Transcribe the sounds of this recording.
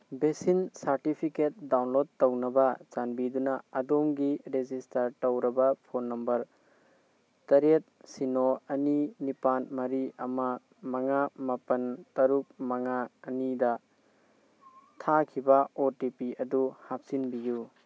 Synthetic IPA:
besinsaɾtipʰiket̚dawnlod̚tɐwnɐbɐt͡ʃanbidunɐɐdomɡiɾezistɐɾtɐwɾɐbɐpʰonːɐmbɐɾ | tɐɾet̚sinoɐninipanmɐɾiɐmɐ | mɐŋamɐpɐntɐɾuk̚mɐŋaːnidɐ | tʰakʰibɐotipiɐduhap̚sinbiju

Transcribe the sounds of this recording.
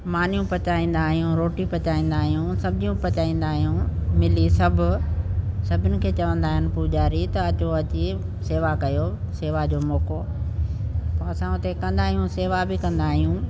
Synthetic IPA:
maːn̤jũpɐt͡ɕaːĩːn̆d̪aːɦijũɾoːʈipɐt͡ɕaːĩːn̆d̪aːɦijũsɐbʱɪd͡ʑijũpɐt͡ɕaːĩːn̆d̪aːɦijũmɪlisɐbʱʊ̆ | sɐbʱɪnɪ̆kʰeːt͡ɕɐʋə̃nd̪aːɦɪnɪ̆pud͡ʑaːɾit̪ɐɐt͡ɕoɐt͡ɕi | seːʋakɐjo | seːʋad͡ʑoːmɔːko | pɐɐsãʊt̪ekɐ̃nd̪aːɦijũseːʋabɪkɐ̃nd̪aːɦijũ

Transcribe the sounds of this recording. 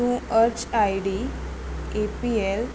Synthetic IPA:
ũəɾt͡ɕaiɽi | epiel

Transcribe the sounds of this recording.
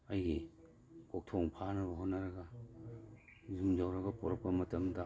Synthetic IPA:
ɐjɡi | kok̚tʰoŋpʰanɐbɐɦonːaɾɐɡa | zumzawɾɐɡɐpɔɾɔk̚pɐmɐtɐmda

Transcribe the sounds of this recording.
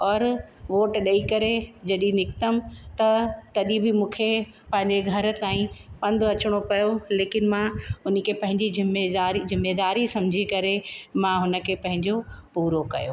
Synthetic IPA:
ɔːɾʋoːʈɗɐikɐɾed͡ʑɐɗĩnɪkt̪əmt̪ɐt̪ɐɗĩbɪmũːkʰe | pɐ̃ɦɪ̃ɲd͡ʑeɡʱɐɾ̆t̪aːĩpɐ̃nd̪ʊɐt͡ɕʊɽ̃opɐjoleːkɪnmãʊnə̆kʰepɐ̃ɦɪ̃ɲd͡ʑizɪmːeaːɾizɪmːeːd̪aːɾisɐ̃md͡ʑʱikɐɾemãɦʊnə̆kʰepɐ̃ɦɪ̃ɲd͡ʑopuːɾokɐ̰jo̰

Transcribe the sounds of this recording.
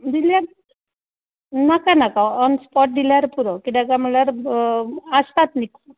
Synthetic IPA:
d̪ilja | nakanakaɔnspɔʈ̚d̪ilaɾpuɾɔkid̪akaməlaɾ | ast̪at̪nik

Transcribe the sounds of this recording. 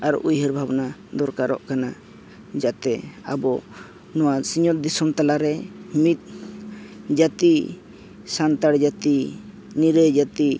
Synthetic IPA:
aɾujɦəɾbʱabnad̪ɔɾkaɾɔ̰ʔkana | d͡ʒat̪ɛa̰bɔ | nɔwasiɲɔt̪̚d̪isɔmt̪alaɾɛmit̪̚ | d͡ʒat̪i | sant̪aɽd͡ʒat̪i | niɾəd͡ʒat̪i

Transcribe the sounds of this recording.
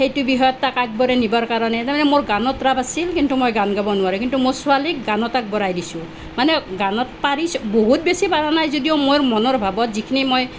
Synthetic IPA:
hejtubiɦɔjɔt̪ːakak̚bɔɾenibaɾkaɾɔnet̪amanemoɾɡanɔt̪ɾabasilkintumojɡanɡabɔnuaɾukintumosualik̚ɡanɔtak̚bɔɾajdisũ | maneɡanɔtpaɾisboɦut̪̚besipaɾanajzodijomojɾmɔnɔɾbʱabɔtzikʰinimoj

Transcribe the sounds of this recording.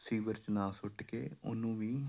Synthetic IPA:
siːʋəɾt͡ʃnãːsʊʈːkeːʊ̰nːũːʋĩː

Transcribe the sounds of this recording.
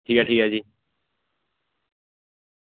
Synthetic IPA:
ʈʰiːkaʈʰiːkaːd͡ʒiː

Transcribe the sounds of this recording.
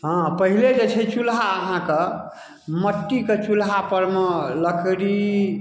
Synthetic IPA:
ɦə̃pəɦiled͡ʒet͡ʃʰɛt͡ʃulɦaəɦãke | məʈːiket͡ʃulɦapəɾmeləkʰɽi

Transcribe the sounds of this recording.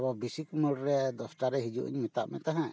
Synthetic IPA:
bɔbisikmuɽɾɛd̪ɔsʈaɾɛɦid͡ʒṵʔḭɲmɛt̪aʔmɛt̪aɦã

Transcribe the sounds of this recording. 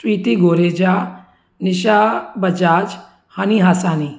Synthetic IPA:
t̪wiːt̪iɡoːɾeːd͡ʒaː | nɪʃabɐd͡ʒaːd͡ʒ | haniɦaːsaːni

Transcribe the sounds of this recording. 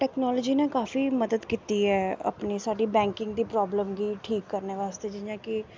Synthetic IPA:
ʈɛːknɔːləd͡ʒiːnekaːfiːməd̪əd̪kiːt̪iːɦɛːə̰pniːsaːɖiːbɛ̃ːŋkɪ̃ŋɡd̪iːpɾɔːbləmɡiːʈʰiːkːəɾneːʋaːst̪eːd͡ʒɪjãːkɪ

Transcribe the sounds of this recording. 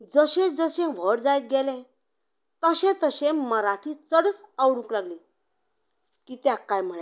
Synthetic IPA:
d͡zəɕẽd͡zəɕẽʋ̤əɽd͡zajt̪̚ɡelẽ | t̪əɕẽt̪əɕẽməɾaʈʰit͡səɽət͡sawɽũklaɡli | kiːt̪jakːajm̤əɭe

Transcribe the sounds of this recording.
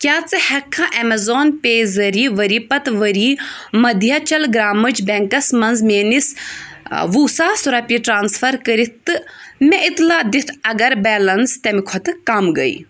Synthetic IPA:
kʲjaːt͡sɨhɛkʰːãʔɛmɐzoːnpeːzɐɾiʋɐɾiːpɐt̪ʋəɾiːmɐd̪ʱjɐt͡ʃɐlɡɾaːmɨt͡ʃbʲɛŋkɐsmɐnzmeːnis | ʋuːsaːsuɾɐpiʈɾaːnsfʰɐɾkəɾit̪ːɨmʲɛʔit̪laːd̪it̪ʰɐɡɐɾbɛːlɐnst̪ɐmikʰɔt̪ɨkɐmɡɐ̰ḭ

